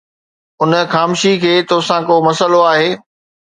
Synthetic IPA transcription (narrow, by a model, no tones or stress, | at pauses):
ʊnəxaːmʃikʰeːt̪oːsãkomɐsəloaːɦeː